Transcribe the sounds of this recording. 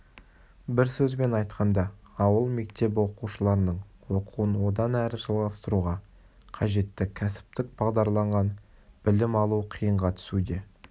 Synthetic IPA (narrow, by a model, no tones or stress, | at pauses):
bɪɾsɵzbe̞nɑjt̪qɑnd̪ɑ | ɑwəlˠme̞k̚t̪e̞bwo̞quʃəlˠɑɾənəɴwo̞qʰuwənwo̞d̪ɑnæɾɪʒɑlˠʁɑst̪əɾuʁɑ | qʰɑʒe̞t̪ːɪkʲʰæsɪ̥p̚t̪ɪk̚b̥ɑʁd̪ɑɾlˠɑɴʁɑnb̥ɪlɪmɑlˠuqʰijəɴʁɑt̪ʰʏ̥sud̪e̞